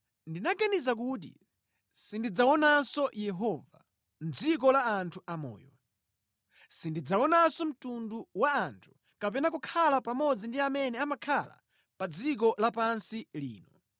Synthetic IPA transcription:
ndinaɡanizak̬uːt̬ḭ | sindid͡zaɔnansɔjɛɦɔva | n̩d͡zik̬ɔlaːntʰuamɔ̰ːjɔ | sindid͡zaɔnasɔm̩tunduwaantʰu̥ | kapɛnak̬ukʰalapamɔd͡zindiamɛnɛamakʰala̰ | pad͡zik̬ɔlapansilḭːnɔ

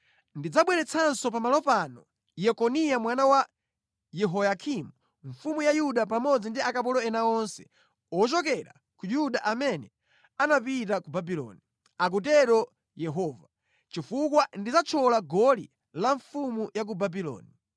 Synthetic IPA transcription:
ndid͡zaɓwɛɾɛt͡sʰansɔpamalɔpanɔ | jɛkɔnijamwanawa | jɛɦɔjakʰimu | ɱfumujajuɗap̬amɔd͡zindiakap̬ɔlɔɛnaɔnsɛ̥ | ɔt͡ʃɔkɛɾa̰ | kujudaʔamɛnɛ | anapitakubabilɔ̰ni | ak̬utɛɾɔ | jɛɦɔva | t͡ʃifukwandid͡zat͡ʃʰɔlaɡɔli | laɱfumujak̬ubabilɔ̰ːni

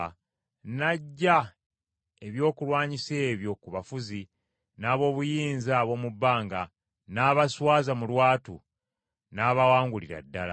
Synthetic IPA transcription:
naɟːa | e̞βjo̞ːkulwaːɲiseːβjo̞kuβafuzi | naːβo̞ːβujiːnzaːβo̞ːmubːaːŋɡa | naːβaswaːzamulwaːtu | naːβawaːŋɡuliɾa̰dːala̰

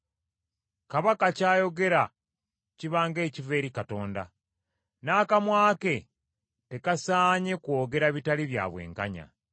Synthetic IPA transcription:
kaβakacaːjo̞ɡe̞ɾa | ciβaːŋɡe̞ːcive̞ːɾikato̞ːnda̰ | naːkamwaːke̞ | te̞kasaːɲe̞kwo̞ːɡe̞ɾaβitaliβja̰ːβwe̞̰ːŋka̰ɲa̰

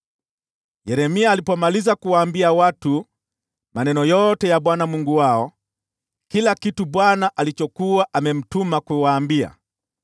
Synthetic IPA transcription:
jɛɾɛmiaːlipɔmalizakuwaːmbiawatu | manɛnɔjɔtɛjaɓwanamuŋɡuwaɔ | kilakituɓwanaʔalit͡ʃɔkuwaʔamɛm̩tumakuwaːmbia̰

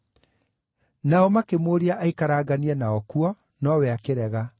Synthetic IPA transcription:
naɔmakemoɾiaʔaikaɾaːɡaniɛnaɔkwɔ | nɔwɛakeɾɛɣa

